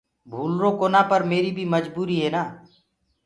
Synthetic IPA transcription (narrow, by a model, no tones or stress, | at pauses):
bʱuːlɾõːkoːnaːpəɾmeːɾiːbʱiːməd͡ʒbuːɾiːɦeːnaː